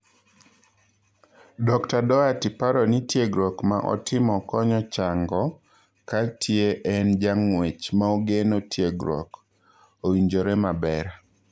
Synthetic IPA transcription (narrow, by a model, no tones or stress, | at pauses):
dɔktadɔatipaɾɔnitjeɡɾɔkmaʔɔ̰tʰɪmɔkɔɲɔt͡ʃaŋɡɔ | katʰjeʔɛnd͡ʒaŋwet͡ʃmaoɡenotʰjeɡɾɔ̰k | owiɲd͡ʒoɾemabɛɾ